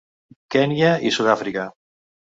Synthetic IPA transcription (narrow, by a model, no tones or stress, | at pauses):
kɛnjaisuðafɾika